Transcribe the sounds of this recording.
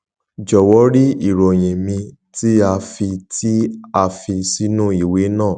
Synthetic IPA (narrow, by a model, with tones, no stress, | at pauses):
d͡ʒɔ˨wɔ˨˦ɾi˦i˦˨ɾo˨j̃ĩ˨mĩ˧ | ti˦a˧fi˧ti˦a˧fi˧si˦nũ˦i˨we˨˦nãː˦˨